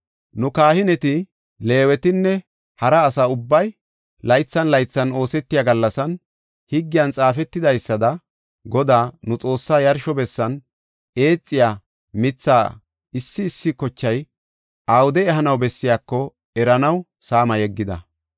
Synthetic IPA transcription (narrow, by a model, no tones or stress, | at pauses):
nʊkaːhɪnɛt̪ɪ | le̞ːwɛt̪ɪnːɛ | hɐɾɐːsɐʊbːɐj | lɐjt͡sːɐnlɐjt͡sːɐno̞ːsɛt̪ːɪjaɡɐlːɐsɐn | hɪɡːɪjɐnt͡sʼaːfɛt̪ːɪd̪ɐjsːɐd̪ɐ | ɡɔd̪aːnʊt͡sʼo̞ːsːaːjɐɾʃɔbɛsːɐn | e̞ːt͡sʼːɪjaː | mɪt͡sːaː | ɪsːɪːsːɪkɔt͡ʃːɐj | ʔaːwʊd̪ɛɛɦɐnɐwbɛsːɪjaːkːɔ | ɛɾɐnɐw | saːmɐjɛɡːɪd̪ɐ̰